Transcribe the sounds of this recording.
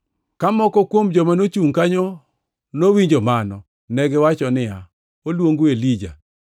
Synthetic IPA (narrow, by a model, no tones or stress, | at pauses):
kamɔkɔkwomd͡ʒɔmanot͡ʃuŋkaɲo | nowiɲd͡ʒɔmanɔ | nɛɡɛwat͡ʃɔnɪja | olwoŋɡuelid͡ʒa̰